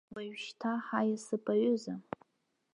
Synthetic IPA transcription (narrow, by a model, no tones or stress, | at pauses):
baɥʃtʰaħajasɨpʼaɥʊza